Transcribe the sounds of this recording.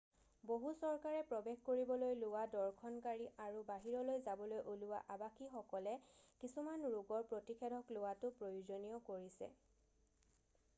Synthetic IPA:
boɦusɔɹkaɹɛpɹɔbexkoɹibɔlojlʊwadɔɹkʰɔnkaɹiʔaɹubaɦiɹɔlojzabɔlojʔuluwa̰ʔabaxixɔkɔlɛkisumanɹuɡɔɹpɹotikʰɛdʱɔklʊwatʊpɹojuzonijɔkoɹisɛ̰

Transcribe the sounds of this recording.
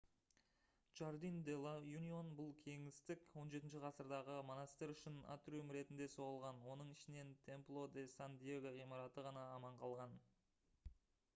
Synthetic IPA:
ʒ̥aɾd̪ind̪elˠajunio̞nbʊlˠkʲʰe̞ŋɪst̪ɪkwo̞nʒe̞t̪ɪnʃɪqʰɑsəɾd̪ɑʁəmonɑst̪eɾʏʃɪna̰t̪rumɾe̞t̪ɪnd̪e̞so̞ʁəlˠʁɑnwo̞nəɴɪʃɪne̞nt̪ʰe̞mplˠo̞d̪esand̪ijeɡaʁijmɑɾɑt̪əʁɑnɑːmɑɴqʰɑlˠʁɑn

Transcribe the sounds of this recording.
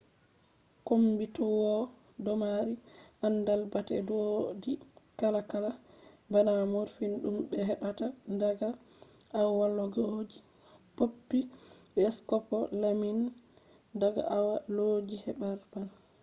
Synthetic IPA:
kombitɔwɔ | dɔmaɾiʔanːdalbatɛ̰dodikalakala | banamɔɾfinɗumbɛɦɛɓatandaɡa | awwalːɔɡod͡ʒi | popːiɓɛskɔpɔlamin | daɡa̰ʔawaloːd͡ʒihɛɓaɾbal

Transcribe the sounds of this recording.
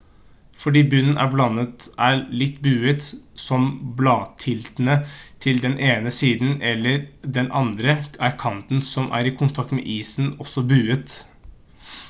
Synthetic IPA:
fɔɖiːbʉnən̩ʔæ̰ɾblɑnːət̪æɭɪt̪ːbʉːət̪sɔmblɑːt̪ʰɪlt̪ənət̪ʰɪld̪ɛnʔeːnəsiːd̪nɛlːəɾd̪ɛnʔɑ̰nd̪ɾəæɾkʰɑnt̪n̩sɔmʔæ̰ɾɪkʰʊnt̪ʰɑk̚t̪mɛ̰ʔiːsn̩ɔsːɔbʉːət̪

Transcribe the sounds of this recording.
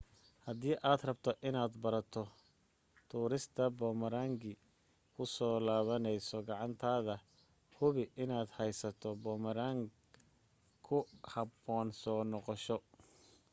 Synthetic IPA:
hɐd̪iːʔaːd̪rɐbt̪ʰɔʔɪnaːd̪bɐɾɐt̪ʰɔ | t̪ʰuːɾɪst̪ʰɐbɔːmɐɾaːŋɡɪ | kʰʊsɔːlaːβɐnɛjsɔɡɑʕɑnt̪ʰaːðɐ | hʊβɪʔɪnaːd̪hɛjsɐt̪ʰɔbɔːmɐɾaːŋ | kʰʊhɐbɔːnsɔːnɔqɔʃɔ

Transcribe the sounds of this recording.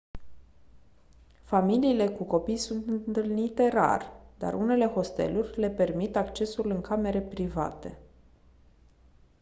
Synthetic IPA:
familiːle̞kuko̞pijsunt̪ɨnt̪ɨlnit̪e̞ɾa̰rd̪a̰rʔṵne̞le̞ho̞st̪e̞̰lurʲle̞pe̞rmit̪akt͡ʃe̞sulɨŋkʰame̞ɾe̞pɾiva̰t̪e̞

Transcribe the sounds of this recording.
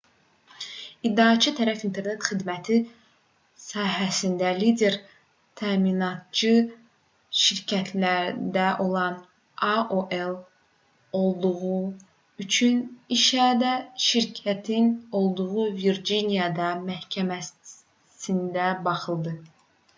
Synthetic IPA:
id̪ːɑːt͡ʃʰɯt̪ʰæɾæfint̪ʰe̞ɾne̞t̪χid̪mæt̪ʰi | sɑːɦæsind̪ælid̪ʲe̞ɾ | t̪ʰæminɑt̪̚t͡ʃɯ | ʃiɾcʰæt̪ʰlæɾd̪æʔo̞lˠɑn | ɑʔoʔelˠ | o̞lˠd̪uʁu | yt͡ʃʰyniʃæd̪æʃiɾcʰæt̪ʰino̞lˠd̪uʁuviɾd͡ʒinijɑd̪ɑmæhcʰæmæ | sind̪æbɑχɯlˠd̪ɯ

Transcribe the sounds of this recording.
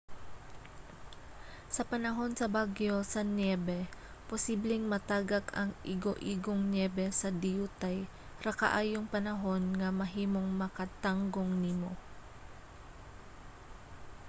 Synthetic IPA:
sɐpɐnɐɦo̞nsɐbaɡjo̞sɐnjɛbɛ | posiːblɛŋmɐt̪aːɡɐkɐŋʔɪɡoʔiɡoŋnjɛbɛsɐd̪ɪjuːt̪aj | ɾɐkɐ̰ʔaːjoŋpɐnɐɦo̞nŋɐmɐɦiːmo̞ŋmɐkɐt̪aŋɡoŋnɪmo

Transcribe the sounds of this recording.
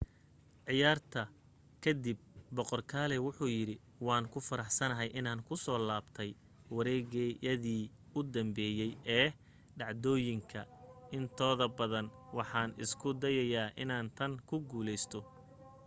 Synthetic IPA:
ʕɪjaːrt̪ʰɐ | kʰɐd̪ib̚bɔqɔrkʰaːlɛwʊħuːjɪɾɪ | wɑːŋkʰʊfɐɾɑħsɐnɐɦɛjʔɪnaːŋkʰʊsɔːlaːbt̪ʰɛj | wɐɾɛːɣɛjɐðiː | ʊd̪ɐmbɛːjɛjɛː | ɖɑʕd̪ɔːjɪŋkʰɐɪnt̪ʰɔːðɐbɐðɐnwɑħɑːnɪ̰skʰʊd̪ɐjɐjaːʔɪnaːnt̪ʰɐŋkʰʊɡuːlɛjst̪ʰɔ

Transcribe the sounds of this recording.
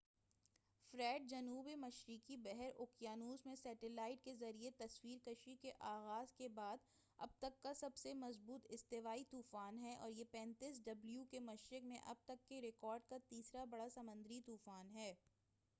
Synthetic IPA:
fɾɛːɖ̚d͡ʒɐnuːbemɐʃɾɪkibɛɦɛɾʊkjaːnuːzmẽsɛːʈɪlaːɪʈ̚kezɐɾiet̪ɐswiːɾkɐʃikeʔaːɣaːzkebaːd̪ | ɐ̰b̚t̪ɐkːasɐbsemɐzbuːt̪ɪst̪eʋaːit̪uːfaːnɦɛʔɔːɾjepɛ̃ːnt̪iːs̬ɖɐbljukemɐʃɾɪkmẽʔɐ̰b̚t̪ɐkːeɾɪkɔːɾɖkat̪iːsɾabɐɽasɐmə̃nd̪ɾit̪uːfaːnɦɛː

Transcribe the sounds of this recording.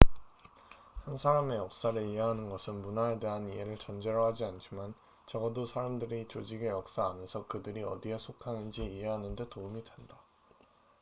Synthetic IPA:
hansʰaɾame̞jʌk̚s͈aɾɯiɦe̞ɦanɯnɡʌsʰɯnmunaede̞ɦaniɦe̞ɾɯɭt͡ɕʌnd͡ʑe̞ɾʌɦad͡ʑiant͡ɕʰiman | t͡ɕʌɡʌdosʰaɾamdɯɾit͡ɕod͡ʑiɡe̞jʌk̚s͈aːnesʰʌkɯdɯɾiʌ̰diɦesʰokʰanɯnd͡ʑiːe̞ɦanɯnde̞toumidwe̞nda

